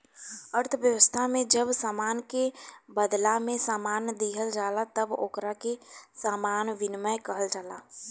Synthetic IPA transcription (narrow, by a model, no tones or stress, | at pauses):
əɾt̪ʰəʋjəʋəst̪ʰamẽd͡ʒəbsaːmaːnkebəd̪lamẽsaːmaːnd̪iɦəld͡ʒaːlat̪əbo̰ːkɾakesaːmaːnʋɪnməjkəɦəld͡ʒaːlaː